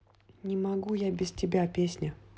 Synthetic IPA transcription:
nʲɪmɐɡujabʲɪstʲɪbʲapʲesʲnʲə

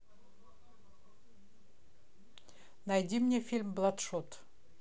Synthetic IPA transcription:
najd̪ʲimnʲefʲilʲmblˠat̪ʂot̪

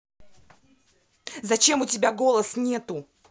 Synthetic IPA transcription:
zɐt͡ɕe̞mʊtʲɪbʲaɡo̞lˠəsnʲe̞t̪ʊ

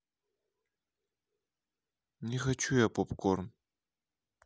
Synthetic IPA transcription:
nʲixɐt͡ʃujapopkʰʷʼorn

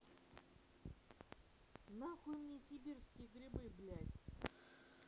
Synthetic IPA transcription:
naxumnʲisʲibʲirskʲɪjɡɾʲɪbɨblʲæt̪ʲ

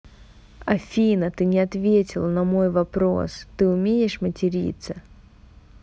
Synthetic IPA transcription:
ɐfʲinət̪ɨnʲɪɐt̪vʲetʲɪlˠnɐmo̞jvɐpɾo̞̰st̪ɨʊmʲejɪʂmətʲɪɾʲḭt̪sə

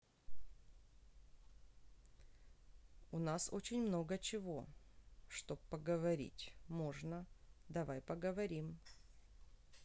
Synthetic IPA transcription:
ʊnaso̰t͡ɕɪnʲmno̞ɡət͡ɕɪvoʂt̪o̞ppːəɡəvɐɾʲḭtʲmo̞ʐnəd̪ɐvajpəɡəvɐɾʲim

